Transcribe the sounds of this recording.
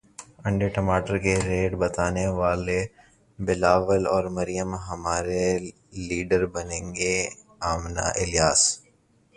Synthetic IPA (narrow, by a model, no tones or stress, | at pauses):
ɐ̃ɳɖeʈɐmaːʈəɾkeɾeːɖbɐt̪aːneʋaːle | bɪlaːʋəlɔːɾmɐɾijəmɦɐmaːɾe | liːɖəɾbɐnẽːŋɡeaːmna̰ʔɪljaːs